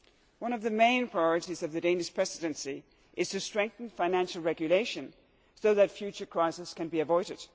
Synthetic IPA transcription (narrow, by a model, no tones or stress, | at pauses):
wʌ̃nʌvðɨmẽɪ̃npʰɹ̥aɪjɔɹɨɾizʌvðɨdẽɪ̃nɨʃpʰɹ̥ɛsɨɾɨ̃nsi | ʔɨz̥tʰɨstɹ̥ɛ̃ŋk̚θɨ̃nfãɪ̃næ̃nʃl̩ˠɹɛɡjɨleɪʃɨ̃n | soʊðɨtfjʉt͡ʃə˞kʰɹ̥aɪsɨskɨ̃nbiɨvɔɪɾɨd̥